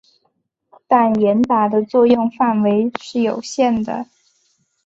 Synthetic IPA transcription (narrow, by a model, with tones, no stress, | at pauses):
t̪a˥˩njɛ˧˥nt̪a˨˩d̪ə˧t͡swɔ˥˧jʊ˥˧ŋfa˥˩nwe˧˥ɪʂɻ̩˥˩jo˨˩ʊɕjɛ˥˩nd̪ə̰˩